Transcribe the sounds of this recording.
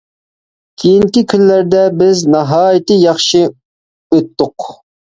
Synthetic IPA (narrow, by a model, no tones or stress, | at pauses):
kʲʰijinkʲikʲʰynːæɾd̪ɛbɪznɑɦɑːjit̪ɨjɑχʃi | øt̪ːʊq